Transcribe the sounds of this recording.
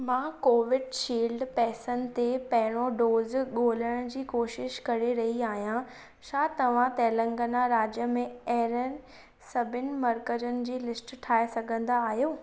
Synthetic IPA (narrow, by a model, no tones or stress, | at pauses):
mãːkoːʋɪɖʃiːlɖpɛːsənɪ̆t̪epɐɦɪɽ̃oɖoːzɡʱoːləɽ̃d͡ʑiːkoːʃɪʃkɐɾeɾɐɦiaːɦijã | t͡ɕʰaːt̪ɐʋ̤ãt̪ɛːlə̃ŋɡənaɾaːd͡ʑjəmẽɐɦɪɾən̆ | sɐbʱɪnɪ̆mɐɾkəd͡ʑənɪ̆d͡ʑiːlɪsʈʈʰaːesɐɡʱə̃nd̪aːɦijoː